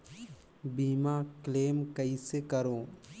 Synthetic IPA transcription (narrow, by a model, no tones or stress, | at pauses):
biːmakleːmkəisekəɾoː